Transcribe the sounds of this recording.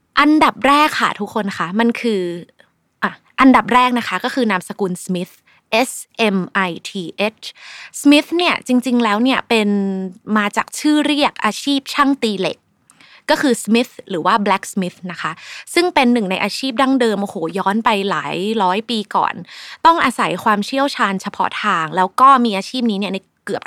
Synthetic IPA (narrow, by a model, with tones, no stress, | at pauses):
ʔa˧nda˨˩p̚ɾɛː˥˩kʰa̰˥˩t̪ʰu˦˥kʰːo˧nkʰa˦˥ma˧nkʰɯː˧ | ʔaː˨˩ | ʔa˧nda˨˩p̚ɾɛː˥˩k̚na˦˥kʰa˦˥kɔː˥˩kʰɯː˧naː˧msa˧kuː˧nsmi˦˥t̪̚ | ʔe˦˥sʔe˧mʔa˧jt̪ʰiː˧ʔe˦˥t͡ɕʰsmi˦˥t̪̚ni˥˩ɐt͡ɕi˧ŋt͡ɕi˧ŋlɛː˦˥wni˥˩ɐpe˧nmaː˧t͡ɕa̰ː˨˩k̚t͡ɕʰɯː˥˩ɾi˥˩ək̚ʔaː˧t͡ɕʰiː˥˩p̚t͡ɕʰa˥˩ŋt̪iː˧lḛ˨˩k̚ː | ɔː˥˩kʰɯː˧smi˦˥t̪̚ɾɯː˩˦waː˥˩blɛ˦˥k̚smi˦˥t̪̚na˦˥kʰa˦˥sɯ˥˩ŋpe˧nːɯ˨˩ŋna˧jʔaː˧t͡ɕʰiː˥˩p̚daː˥˩ŋdɤː˧mʔoː˨˧hoː˨˩˦jɔː˦˥npa˧jla̰ː˩˦jɾɔː˦˥jpiː˧kɔ̰ː˨˩nt̪ɔ˥˩ŋʔaː˧sa˩˦jkʰwaː˧mt͡ɕʰi˥˩əwt͡ɕʰaː˧nt͡ɕʰa˧pʰɔ̰˦˥t̪ʰaː˧ŋlɛː˦˥wkɔː˥˩miː˧ʔaː˧t͡ɕʰiː˥˩p̚niː˦˥ni˥˩ɐna˧jkɯ˨˩əp̚